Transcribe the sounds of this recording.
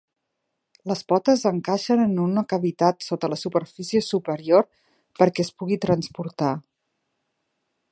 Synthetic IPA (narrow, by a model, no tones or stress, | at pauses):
ləspɔt̪əzəŋkaʃənənunəkəβit̪at̪sot̪ələsupəɾfisiəsupəɾioɾ | pəɾkɛəspuɣit̪ɾənspuɾt̪a